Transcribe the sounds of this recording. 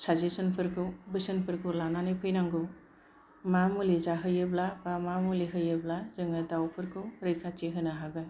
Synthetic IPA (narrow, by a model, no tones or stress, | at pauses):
sazesɯnpʰɯɾkʰɯwbɯsɯnpʰɯɾkʰɯlananepʰɯjnaŋɡɯw | mamulizaɦɯjɯblabamamuliɦɯjɯblazɯŋadawpʰɯɾkʰɯwɾɯjkʰat͡ʃeɦɯnaɦaɡɯ